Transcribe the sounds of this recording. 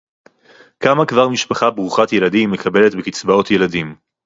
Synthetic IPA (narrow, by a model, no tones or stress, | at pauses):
kamakvaʁmiʃpaχabʁuχatje̞ladimːekʰabe̞le̞tbekit͡sbao̞tje̞ladim